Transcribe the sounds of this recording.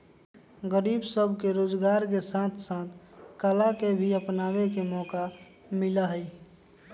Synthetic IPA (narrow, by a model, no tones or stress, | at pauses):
ɡəɾiːbsəbʱkeɾoːd͡ʒɡaːɾkesãt̪ʰsãːt̪ʰkəlakebʱiəpnaːwekemɔːka | mɪlaɦəi